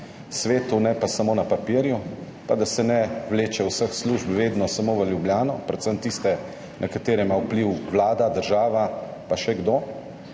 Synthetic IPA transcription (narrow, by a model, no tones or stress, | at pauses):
sʋeːt̪unɛpasamoːnapapiːɾju | pad̪asɛnɛʋleːt͡ʃɛwsəxsluʒpʋeːd̪nɔsamoʋəljubljaːnɔpɾɛt̪səmt̪ist̪ɛ | nʔɐkat̪eːɾɛjmawpliwʋlaːd̪ad̪əɾʒaːʋa | paʃɛɡd̪oː